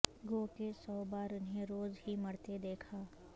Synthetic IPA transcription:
ɡoːkesɔːbaːɾʊnɦẽɾoːzɦimɐɽt̪ed̪eːkʰaː

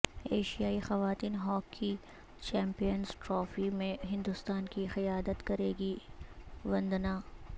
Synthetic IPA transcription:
eːʃijaːixɐʋaːt̪iːnɦɔːkʰːi | t͡ʃɛ̃ːmpijənzʈɾɔːfimẽɦɪ̃nd̪ʊst̪aːnkixɪjaːd̪ət̪kɐɾeːɡi | ʋɐ̃nd̪naː

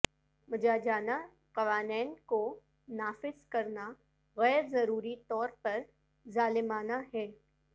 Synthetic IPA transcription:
mɐd͡ʒaːd͡ʒaːna | qɐʋaːnɛːnko | naːfɪzkɐɾna | ɣɛːɾzɐɾuːɾit̪ɔːɾpɐɾ | zaːlɪmaːnaɦɛː

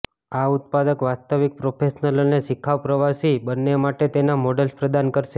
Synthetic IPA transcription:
aut̪̚pad̪əkʋast̪əʋik̚pɾopʰeʃnəloneʃikʰːaʋpɾəʋasibənːemaʈet̪enamɔɖəlspɾəd̪ankəɾʃe

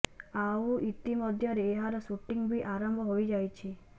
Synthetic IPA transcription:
auʔit̪imɔd̪ʱjɔɾeːɦaɾɔsuʈiŋbiʔaɾɔmbʱɔɦojd͡ʒajt͡ʃʰi

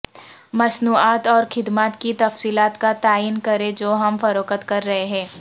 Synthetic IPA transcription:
mɐsnuːaːt̪ɔːɾxɪd̪maːt̪kit̪ɐfsiːlaːt̪kat̪aːiːnkɐɾẽd͡ʒoːɦɐmfɐɾoːkət̪kɐɾːɐɦeɦɛ̃ː

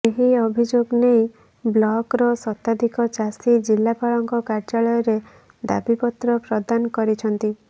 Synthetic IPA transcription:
eɦiɔbʱid͡ʒoɡnej | blɔkɾɔsɔt̪ad̪ʱikɔt͡ʃasid͡ʒilːapaɭɔŋkɔkaɾd͡ʒaɭɔjɔɾe | d̪a̰bipɔt̪ɾɔpɾɔd̪anɔkɔɾit͡ʃʰɔnt̪i

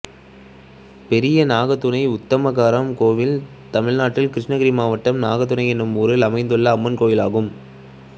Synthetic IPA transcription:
pɛɾɪjɐnaːɣɐt̪ːʊnɐɪʊt̪ːɐmɐɣaːɾɐmkoːʋɪl | t̪ɐmɪɻnaːʈːɪlkɪɾɪʂnɐɣɪɾimaːʋɐʈːɐmnaːɣɐt̪̬ːʊnɐɪɛnːɯmuːɾɪlɐmɐɪnd̪ɯɭːɐːmːɐnkoːjɪlaːɣɯm

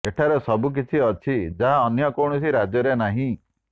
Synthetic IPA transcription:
eʈʰaɾesɔbuk̬it͡ʃʰiɔt͡ʃʰid͡ʒaɦaɔnjɔkɔɽ̃ɔsiɾad͡ʒjɔɾenaɦĩ

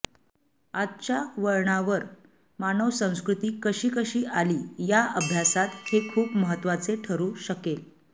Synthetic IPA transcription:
adt͡ɕaʋəɭɳaʋəɾ | manəʋsə̃w̃skɾut̪iːkəɕiːkəɕiːʔaliːjaʔəbʱjasat̪hekʰuːpməɦət̪ːʋat͡seʈʰəɾuːɕəkel

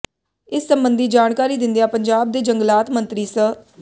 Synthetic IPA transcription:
ɪsːəmbənd̪iːd͡ʒaːɳkaːɾiːd̪ɪ̃nd̪ijãːpəɲd͡ʒaːb̚d̪eːd͡ʒəŋɡəlaːt̪mə̃nt̪ɾiːsə

